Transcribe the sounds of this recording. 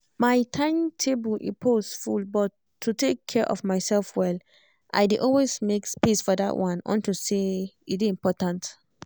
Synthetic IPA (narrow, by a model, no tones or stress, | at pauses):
maɪtʰãɪ̃mtʰebulʔipʰosfulbɔtʰːutekʰːɛɹʔɔ̰vmaɪsɛlfwɛl | ʔa̰ɪdeʔɔlwesmekspisfɔda̰ʔwʔãnɔ̰̃ntuseidiĩmpɔtãnt